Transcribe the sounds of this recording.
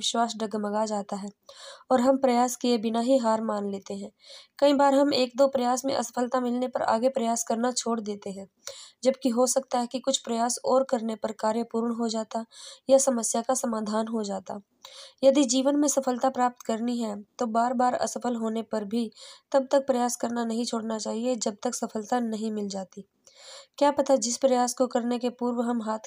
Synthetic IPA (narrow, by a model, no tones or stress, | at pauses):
ɪʃwaːsɖəɡmɐɡad͡ʒaːt̪aɦɛːɔːɾɦɐmpɾɐjaːskiebɪnaɦiɦaːɾmaːnleːt̪eɦɛ̃ːkɐĩbaːɾɦɐmeːk̚d̪oːpɾɐjaːsmḛ̃ʔɐsə̥pʰəlt̪amɪlnepɐɾʔa̰ːɡepɾɐjaːskɐɾnat͡ʃʰoːɽd̪eːt̪eɦɛ̃ː | d͡ʒɐbkiɦosɐk̚t̪aɦɛkikʊt͡ʃʰpɾɐjaːsɔːɾkɐɾnepɐɾkaːɾjəpuːɾɳɦod͡ʒaːt̪ajasɐməsjakasɐmaːd̪ʱaːnɦod͡ʒaːt̪a | jɐd̪id͡ʒiːʋənmẽsɐfʰəlt̪apɾaːp̚t̪kɐɾniɦɛt̪obaːɾbaːɾɐ̰səfʰəlɦoːnepɐɾbʱit̪ɐb̚t̪ɐk̚pɾɐjaːskɐɾnanɐɦĩt͡ʃʰoːɽnat͡ʃaːɦied͡ʒɐb̚t̪ɐksɐfʰəlt̪anɐɦĩmɪld͡ʒaːt̪i | kjaːpɐt̪ad͡ʒɪspɾɐjaːskokɐɾnekepuːɾwəɦɐmɦaːt̪ʰ